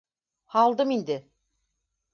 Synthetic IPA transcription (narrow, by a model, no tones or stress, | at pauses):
hɑlˠd̪ɯmind̪ɪ